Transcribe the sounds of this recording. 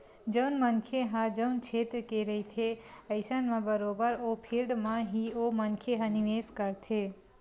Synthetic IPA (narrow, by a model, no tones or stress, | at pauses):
d͡ʒəwnmənkʰjeɦãd͡ʒəwnt͡ʃʰet̪ɾkeɾəit̪ʰeəɪsanmãbəɾobəɾopʰilɖmãɦiomənkʰjeɦãniʋeskəɾt̪ʰe